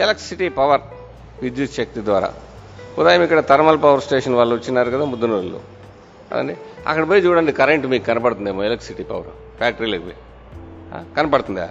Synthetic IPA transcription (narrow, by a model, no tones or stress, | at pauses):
elɐksiʈipɐʋɐɾ | ʋid͡ʒ̪jut̪ʃɐk̚t̪id̪ʋaːɾɐ̰ | ud̪aːjɐmikːɐɽɐt̪ɐɾmɐlpɐʋɐɾsʈeːʂɐnʋaːlːuut͡ʃːinːaːɾukɐd̪aːmud̪ːunɐɐlːṵ | ɐ̰d̪ɐ̰nːiɐ̰kːɐɽɐbɐjd͡ʒuːɽɐnɖikɐɾeɳʈmiːkkɐnɐpɐɽt̪und̪emoelɐksiʈːipɐʋɐɾ | faːk̚ʈɐɾilɐkmḭ | a̰ːkɐnɐpɐɽt̪und̪a̰ː